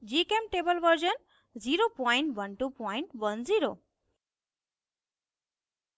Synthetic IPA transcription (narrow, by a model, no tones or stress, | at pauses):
d͡ʒikemʈebəlʋəɾd͡ʒən | ziɾopɔjɪɳʈʋənʈupɔɪɳʈʋənziɾo